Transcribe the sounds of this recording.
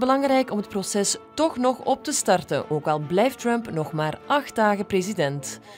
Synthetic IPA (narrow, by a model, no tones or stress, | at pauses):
bəlɑŋɾɛjkɔmət̚prosɛstɔxnɔxɔp̚təstɑrtə̰nʔoːkɑlˠblɛjftrœmpnɔxmaːrʔɑxt̚daːɣəpreːzidɛnt